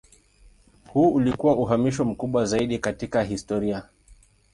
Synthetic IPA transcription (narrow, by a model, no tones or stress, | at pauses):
huːulikuwaʔuɦamiʃ̬ɔm̩kuɓwazaiɗikatikaɦistɔɾia